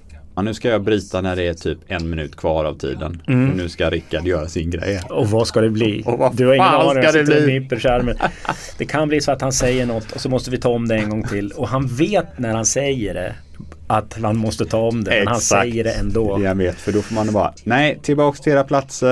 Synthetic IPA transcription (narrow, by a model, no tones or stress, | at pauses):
mɛnːʉ̟ːskajɑːbɾiːt̪anæɖɛæʈʰyːpɛnmɪnʉ̟ːt̪kʰvɑːɾa̰vt̪ʰḭːd̪ə̰nfɔɳʉ̟ːskajaɾɪkːad̪jœːɾasɪnɡɾɛ̰jːɔvaskad̪ɛbliːd̪ɵhaɾɪŋənɑːnɪŋɛliːɪpːəɾʂæɾmə | d̪̥ɛkʰanbliːsɔat̪hansɛjːəɳɔt̪ːɔsɔmɔst̪əvɪt̪ʰɑːɔmd̪ɛɛnɡɔŋːt̪ʰɪlːɔɦanveːt̪næɾhansɛjːəɖɛ̰ | at̪hanmɔst̪ət̪ʰɑːɔmd̪ɛmɛhansjːəɖɛɛnd̪oːɛanveːt̪fœɖɔfɔːɾmanbɑ̰ːɾa̰nɛɪt̪ʰɪlbɑːkst̪ʰɪeːɾapʰlat̪sə